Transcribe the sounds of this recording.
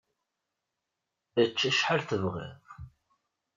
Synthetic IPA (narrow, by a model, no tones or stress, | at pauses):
ət͡ʃːæʃħalθəvʁḭðˤ